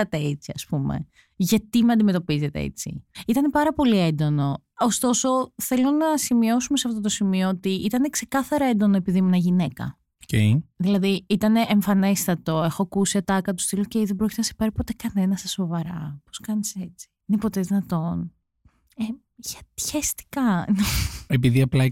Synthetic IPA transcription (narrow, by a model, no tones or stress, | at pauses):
ɐt̪eet͡siɐspumḛ | ʝɐt̪imeɐnd̪ime̞t̪opizet̪ḛḛt͡sḭit̪ɐne̞pɐɾɐpo̞lie̞nd̪o̞no̞ | ost̪o̞so̞θe̞lo̞nɐsimio̞sumeseɐft̪o̞t̪o̞simioot̪iʔit̪ɐne̞kse̞kɐθɐɾɐe̞nd̪o̞noepiðimuenɐʝine̞kɐ̰ | oceðilɐðiit̪ɐne̞ʔeɱfɐnest̪ɐt̪o̞e̞xoɐkusiɐt̪ɐkɐt̪ust̪ilocejðebɾo̞cʲt̪enɐse̥pɐɾipo̞t̪e̞kɐne̞nɐsɐso̞vɐɾɐpo̞skɐnise̞t͡si̥inepo̞t̪eðinɐt̪o̞n | e | ʝɐt̪çest̪i̥kɐnoepiðiɐplɐ